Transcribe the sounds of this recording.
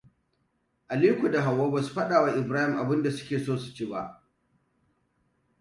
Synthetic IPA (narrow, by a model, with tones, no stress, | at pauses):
ʔa˨liː˦kʷu˨da˨ɦa˨wːoː˦ba˨su̥˦ɸɐ˦ɗaː˨wa˦ʔɪ˨bɾaː˦hɪ˨mʔa˨bɪ˦nda˨sʊ̥˦kʲeː˨soː˦su̥˨t͡ʃi˦ba˦ʔ